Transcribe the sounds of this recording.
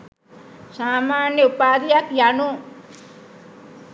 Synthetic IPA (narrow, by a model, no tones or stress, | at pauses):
saːmaːnjəupaːd̪ijakjanu